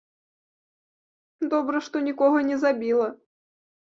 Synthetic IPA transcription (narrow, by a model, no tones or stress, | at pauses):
d̪ɔbɾɐʂt̪ɔnʲikɔɣɐnʲɛzabʲilˠɐ